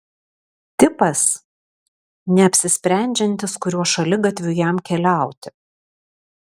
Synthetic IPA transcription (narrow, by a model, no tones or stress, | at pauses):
t̪ʲɪpɐs | nʲɛɐpʲsʲɪsʲpʲɾʲæˑnʲd͡ʒʲɛnʲt̪ʲɪskʊɾʲuɔʃɐlʲɪɡɐt̪ʲʋʲʊjæmkʲɛlʲæˑʊt̪ʲɪ